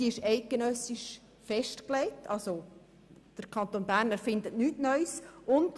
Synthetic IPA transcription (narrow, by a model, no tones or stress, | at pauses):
iɪʃɛɪt̚ɡ̥enœsiʃ | fɛʃtklɛɪtʰɑlso | d̪̥əɾkʰɑnt̪oːnbæːɾnæɾfɪndətnyːtnœʏsʊnd